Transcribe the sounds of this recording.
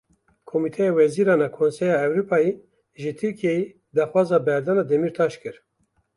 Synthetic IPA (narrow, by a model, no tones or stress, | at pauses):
kʰomit̪ʰɛjewɛziːɾɑːnɑkʰonsɛjɑːɛwɾupʰɑːji | ʒɨt̪ʰɨɾkʰijeji | d̪ɑːxwɑːzɑːbɛɾd̪ɑːnɑːd̪ɛmiːɾt̪ʰɑːʃkɨɾ